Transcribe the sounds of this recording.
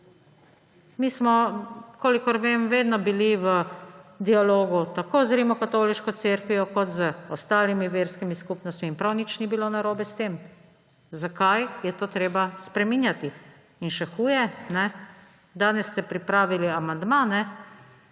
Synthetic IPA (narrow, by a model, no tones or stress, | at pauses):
mismɔkoːlikɔɾʋemʋeːd̪nɔbiliʋəd̪ialoːɡut̪akoːzɾimɔkat̪oːliʃkɔt̪seɾkʋiɔkɔt̪zəɔst̪aːlimiʋeːɾskimiskupnɔst̪miːnpɾawnit͡ʃnibilonaɾoːbɛst̪eːm | zakajjɛt̪oːt̪ɾeːbaspɾɛmiːnjat̪iː | nʃɛxuːjɛnɛ | d̪aːnɛsːt̪ɛpɾipɾaːʋiliamand̪manɛ